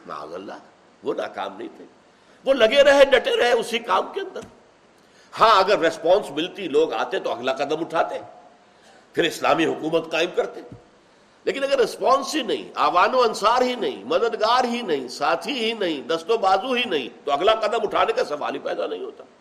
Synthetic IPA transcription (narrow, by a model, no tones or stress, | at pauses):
ma̰ːzɐ̰lːa̰ | ʋona̰ka̰ːmnɐɦĩt̪ʰeː | ʋolɐɡeɾɐɦeɖɐʈeɾɐɦeʊsikaːmkeɐ̃nd̪əɾ | hãːɐɡəɾːɪspãːnsmɪlt̪iloːɡa̰ːt̪eẽt̪oɐɡlaqɐd̪əmʊʈʰaːt̪ẽ | pʰɪɾɪsla̰ːmiɦʊkuːmət̪qaːɪmkɐɾt̪e | leːkɪnɐɡəɾːɪspãːnsɦinɐɦḭ̃a̰ːʋaːnõɐnsaːɾɦinɐɦḭ̃mɐd̪əd̪ɡaːɾɦinɐɦĩsaːt̪ʰiɦinɐɦĩd̪ɐst̪obaːzuɦinɐɦḭ̃t̪oɐɡlaqɐd̪əmʊʈʰaːnekasɐʋa̰ːlipɛ̰ːd̪anɐɦĩɦoːt̪ḁː